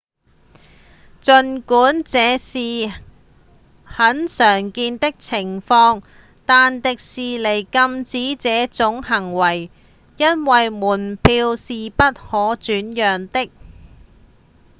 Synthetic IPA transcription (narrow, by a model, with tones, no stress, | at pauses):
t͡ʃɵ˨˧nkuː˨˥nt͡sɛː˨˧siː˨ | hɐ˨˥nsœː˨˩ŋkiː˧nt̪ɪ˥k̚t͡sʰɪ˨˩ŋfɔː˧ŋ | t̪aː˨nt̪ɪ˨k̚siː˨le˨˩jkɐ˧mt͡siː˨˥t͡sɛː˨˥t͡sʊ˨˥ŋhɐ˨˩ŋwɐ˨˩j | jɐ˥nwɐ˨jmuː˨˩npʰiː˧wsiː˨pɐ˥t̚hɔː˨˥t͡ʃyː˨˥njœː˨ŋt̪ɪ˥k̚